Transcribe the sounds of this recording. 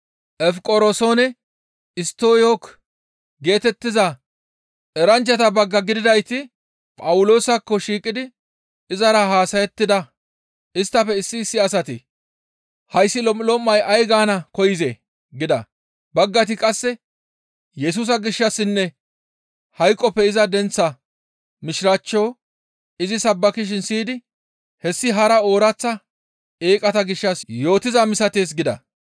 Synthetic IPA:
ʔɛfkʼɔɾosoːnɛ | ɪst̪ːo̞ːjok | ɡe̞ːt̪ɛt̪ːɪzɐ | ɛɾɐnt͡ʃːɐt̪ɐbɐɡːɐɡɪd̪ɪd̪ɐjt̪ɪ | pʼɐwʊlo̞ːsɐkːɔʃiːkʼːɪd̪ɪ | ɪzɐɾɐɦaːsɐjɛt̪ːɪd̪ɐ | ɪst̪ːɐfɛɪsːɪsːɪɐsɐt̪ɪ | hɐjsːɪlɔmɪlɔmːɐjʔɐjɡaːnɐkɔjɪze | ɡɪd̪ɐ̰ | bɐɡːɐt̪̬ɪkʼɐsːɛ | jɛs̬uːs̬ɐɡɪʃːɐsːɪnːɛ | hɐjkʼːɔpːɛɪzɐd̪ɛnt͡sːɐ | mɪʃɪɾaːt͡ʃːo̞ː | ɪzɪsɐbːɐkɪʃ̬ɪnsiːd̪ɪ | hɛsːɪɦɐɾɐo̞ːɾɐt͡sːɐ | e̞ːkʼɐt̪ɐɡɪʃːɐsjo̞ːt̪ɪzɐmɪsɐt̪eːs̬ɡɪd̪ɐ̰

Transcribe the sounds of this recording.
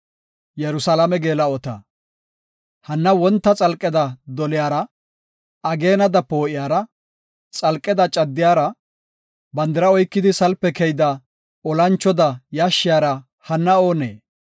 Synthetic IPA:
jɛɾʊsalɐmɛɡe̞ːlɐɔt̪ɐ | hɐnːɐwɔnt̪ːɐt͡sʼɐlkʼːɛd̪ɐd̪ɔlɪjaːɾɐ | ɐɡe̞ːnɐd̪ɐpo̞ːʔɪjaːɾɐ | t͡sʼɐlkʼːɛd̪ɐt͡ʃʼɐd̪ːɪjaːɾɐ | bɐnd̪ɪɾɐɔjkːɪd̪ɪsɐlpːɛkɛjd̪ɐ | ɔlɐnt͡ʃːɔd̪ɐjaːʃːɪjaːɾɐ | hɐnːɐo̞ːnḛː

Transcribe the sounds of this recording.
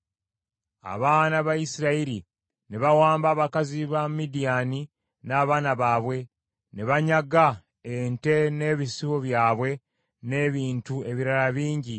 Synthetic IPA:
a̰βaːnaβajisiɾaiɾi | ne̞βawaːmbaːβakaziβamidijani | naːβaːnaβaːβwe̞ | ne̞βaɲaɡa | ente̞ne̞ːβisiwo̞βjaːβwe̞ | ne̞ːβiːntue̞βiɾaɾaβiːɲɟi

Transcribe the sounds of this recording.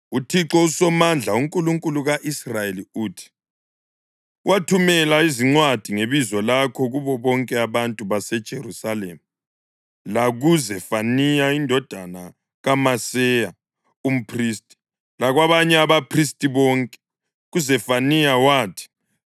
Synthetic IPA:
utʰiǁɔusɔmand͡ɮʱauŋkʼuluŋkʼuluɣaʔisrajeliuːtʰi̥ | watʰumɛlaiziŋ͡ǀwad̥ʱiŋeβizɔlakʰɔɣuβɔβɔŋkʼɛaβantʼuβasɛd̥ʒ̥ʱerusaleːmu | laɣuzɛfanijaindʱɔd̥ʱana | ɣamasɛja | um̩pʰriːstʼi̥ | laɣwaβaɲɛaβapʰristʼiβɔːŋkʼɛ̥ | ɣuzɛfanijawaːtʰi̥

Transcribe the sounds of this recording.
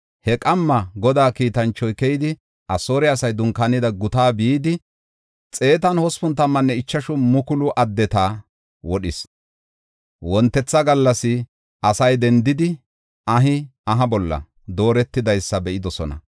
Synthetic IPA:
hɛkʼɐmːɐɡɔd̪aːkiːt̪ɐnt͡ʃːɔjkɛjd̪ɪ | ʔɐsoːɾɛɐsɐjd̪ʊŋkanɪd̪ɐɡʊt̪aːbiiːd̪ɪ | t͡sʼe̞ːt̪̬ɐnhɔspʊnt̪ɐmːɐnːɛɪt͡ʃːɐʃʊmʊkʊlʊʔɐd̪ːɛt̪aː | wɔɗɪs | wɔnt̪ːɛt͡sːɐɡɐlːɐsɪ | ɐsɐjd̪ɛnd̪ɪd̪ɪ | ɐɦɪɐɦɐbɔlːɐ̰ | d̪o̞ːɾɛt̪ːɪd̪ɐjsːɐbɛʔɪd̪ɔsɔnɐ̰

